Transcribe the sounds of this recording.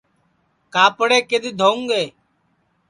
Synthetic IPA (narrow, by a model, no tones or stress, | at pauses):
kaːpəɽeːked̪iːd̪ʱoːũŋɡeː